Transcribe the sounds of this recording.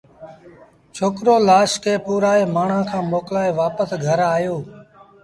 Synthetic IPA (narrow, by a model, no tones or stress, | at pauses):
t͡ʃʰoːkɾoːlaːʃkʰeːpuːɾaːeːmaːɳ̤ãːkʰãːmoːklaːeːʋaːpəsɡʱəɾaːjoː